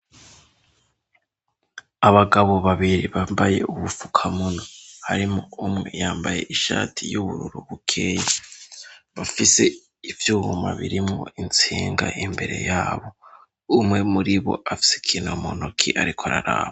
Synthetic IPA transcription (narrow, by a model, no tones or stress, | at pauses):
aβaɡaβo̞βaβiɾiβambaje̞ʔuβufu̥kʰamunohaɾimoumŋejaːmbaje̞ʔiʃaːtʰijuβuɾuɾuβukʰeːje | βafise̞ | ivjuːhumaβiɾimŋo̞̰ʔint͡siːŋɡaʔimbe̞ɾe̞̰jaːβo̞ | umŋe̞muɾiβo̞̰ʔafi̥se̥kʰiːnomonokʰiʔaɾikʰoaɾaɾaːβa